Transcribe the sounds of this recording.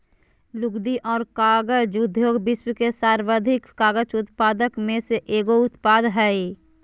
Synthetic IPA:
lʊɡd̪iʔɔːɾkaːɡət͡ʃʊd̪ʱjoːɡbɪswkesaːɾʋəd̪ʱɪkkaːɡət͡ʃʊt̪paːd̪əkmẽseʔeːɡoʊt̪paːd̪ɦɛi

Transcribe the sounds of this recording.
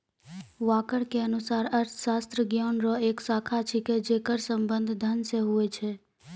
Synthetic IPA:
ʋakəɽkeənusaɾəɾt̪ʰʃast̪ɾəɡjonɾɔeksakʰat͡ʃʰiked͡ʒekəɾsəmbə̃nd̪ʱd̪ʱənseɦuet͡ʃʰe

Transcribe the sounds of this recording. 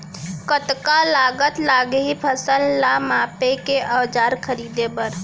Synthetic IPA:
kət̪kalaːɡət̪laɡɦipʰəsəlːamaːpekeʔəd͡ʒaːɾkʰəɾiːd̪ebəɾ

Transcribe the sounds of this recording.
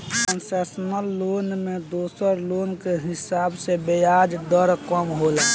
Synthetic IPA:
kənseːsənəlːoːnmẽd̪oːsəɾloːnkeɦɪsaːbsebejaːd͡ʒd̪əɾkəmɦola

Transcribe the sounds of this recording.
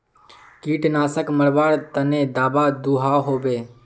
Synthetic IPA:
kiːʈnaːsəkməɾbaːɾt̪ənẽːd̪aːbad̪uːɦaːɦoːbeː

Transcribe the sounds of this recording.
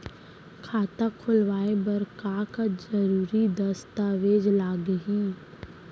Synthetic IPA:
kʰaːt̪akʰʊlʋaːebɐɾkakazəɾuːɾid̪ɐst̪aːʋeːd͡ʒlaːɡəɦiː

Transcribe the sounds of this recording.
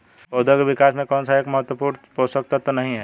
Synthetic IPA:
od̪əkebikasmẽkɔnsaekməɦət̪wəpuɾnposək̚t̪at̪ɔnəɦĩɦɛ

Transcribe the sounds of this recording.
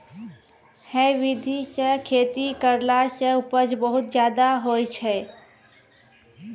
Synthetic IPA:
hɛ̃ʋɪd̪ʱisekʰeːt̪ikəɾlasəʊpəd͡ʒbəɦʊt̪d͡ʒjaːd̪aɦoːjt͡ʃʰɛː

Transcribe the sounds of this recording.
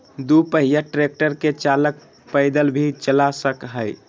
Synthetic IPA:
d̪upəɦijaʈɾek̚ʈəɾket͡ʃalək̚ | pəɪd̪əlbʱit͡ʃəlasəkɦəj

